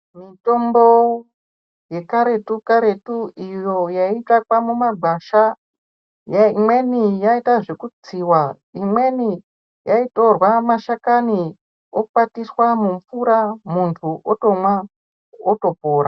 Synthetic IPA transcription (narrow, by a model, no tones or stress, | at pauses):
mito̞mbo | je̞kaɾe̞tukaɾe̞tuijo̞jaitakwamumaɡʱaʃa | jaimwe̞nijaitaʐekud͡ziwa | imwe̞ni | jaito̞rwamaʃakani | okupatiswamumfuɾamuntʰuʔotomwa | oto̞poːɾa